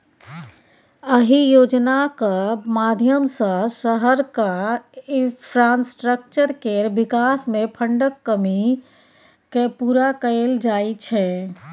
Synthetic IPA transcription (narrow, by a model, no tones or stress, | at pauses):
əɦijod͡ʒnakəmad̪ʱjəmsə̃səɦəɾkaipʰɾansʈɾək̚t͡ʃəɾkeɾbikasmepʰəɳɖəkːəmi | kepuɾakəld͡ʒajt͡ʃʰɛ